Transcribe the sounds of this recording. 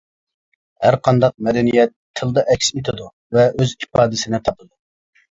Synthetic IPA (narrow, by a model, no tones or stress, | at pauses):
hæɾqʰɑnd̪ɑq̚mɛd̪ɛnijɛt̪ʰːɨlˠd̪ɑʔɛkʲset̪ʰɪd̪u | vɛøzipɑːd̪ɪsɪnɪt̪ʰɑbˠɨd̪u